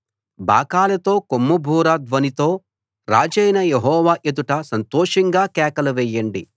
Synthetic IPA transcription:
bʱa̰ːkaːlɐt̪o̞ːkomːubʱuːɾad̪ʋɐnit̪o̞ː | ɾaːd͡ʒɐjnɐjeɦɔːʋaːʔed̪uʈɐsɐnt̪ɔːʂɐŋɡaːkɛːkɐlɐʋɛjːɐɳɖi

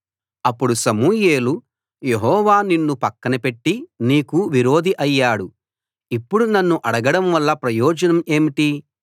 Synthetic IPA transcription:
ɐpːuɽusɐmuːje̞ːlu | je̞ɦɔːʋaːninːupɐkːɐnɐpeʈːiniːkuʋiɾoːd̪ʱiʔɐjːaːɽu | ipːuɽunɐnːuʔɐɽɐɡɐɽɐmʋɐlːɐpɾɐjɔːd͡ʒɐnɐme̞ːmiʈi

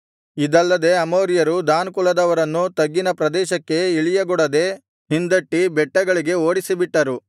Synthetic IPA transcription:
id̪ɐlːɐd̪e̞ɐmoːɾijɐɾud̪aːnkulɐd̪ɐʋɐɾɐnːut̪ɐɡːinɐpɾɐd̪ɛːʃɐkːe̞iɭijɐɡɔɽɐd̪e̞ | ɦind̪ɐʈːibɛʈːɐɡɐɭiɡe̞oːɽisibiʈːɐɾu

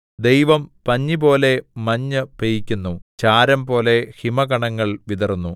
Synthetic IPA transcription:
d̪ejʋɐmpɐɲːibo̞ːle̞mɐɲːɨpejikʲːunːut͡ɕaːɾɐmpo̞ːle̞himɐɡɐɳɐŋːɐɭʋid̪ɐrnːu

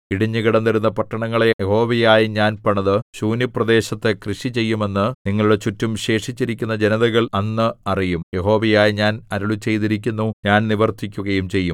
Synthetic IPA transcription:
iɽiɲːɨɣiɽɐnd̪ɐɾunːɐpɐʈːɐɳɐŋːɐɭejeho̞ːʋɐjaːjiɲaːnpɐɳɐðɨɕuːnjiprɐd̪e̞ːɕɐt̪ːe̞krɨʂit͡ɕe̞jːume̞nːɨniŋːɐɭuɽe̞t͡ɕutːumɕe̞ːʂit͡ɕːiɾikʲːunːɐd͡ʑe̞nɐðɐɣɐɭɐnːɨɐrijumje̞ɦo̞ːʋɐjaːjiɲaːnɐɾuɭut͡ɕe̞jt̪iɾik̬ʲːunːuɲaːnniʋɐrt̪ʰːikʲːuɣɐjumt͡ɕe̞jːum

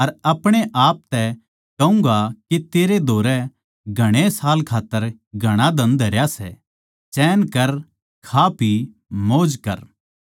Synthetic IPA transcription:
ɐɾɐpɽ̃eʔaːp̚t̪ɛ | kɐʊ̃ŋɡakit̪eːɾed̪ʱoːɾɛ | ɡʱɐɽ̃esaːlkʰaːt̪ːəɾ | ɡʱɐɽ̃ad̪ʱɐ̃nd̪ʱɐɾjasɛ̰ | t͡ʃɛːnkɐɾ | kʰapʰi | moːd͡ʒkɐ̰ɾ

